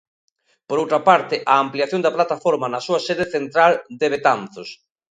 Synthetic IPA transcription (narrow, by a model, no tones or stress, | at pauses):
poɾowt̪ɾɐpaɾt̪ɪʔaːmpliaθjond̪ɐplat̪afoɾmanɐsuɐseðeθent̪ɾald̪eβet̪anθos